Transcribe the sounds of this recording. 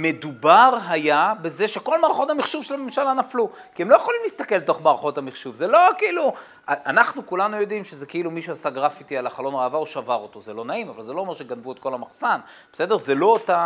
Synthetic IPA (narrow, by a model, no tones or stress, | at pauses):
me̞d̪ubaʁɦajabe̞ze̞ʃe̞ko̞lmaːʁaχo̞thamiχʃuvʃelame̞mʃalanaflu | kiemlo̞jeχolimlist̪ake̞lt̪o̞χmaːʁaχo̞thamiχʃuvzelo̞kiiːlu | aanaχnukulanujo̞dimʃezekeilumiʃuasaɡʁafitialaχalo̞nʁeavaoʃavaʁo̞t̪o̞zelo̞naimavalzelo̞ːmeʃeɡanvuet̪̚ko̞lamaχsan | b̥ese̞deʁze̞lo̞ota